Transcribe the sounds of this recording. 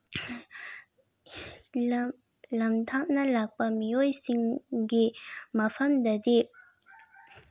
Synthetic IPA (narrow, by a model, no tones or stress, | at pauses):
lamt̪ʰaʔnalak̚pamijojsiŋkimapʰamd̪ad̪eʔ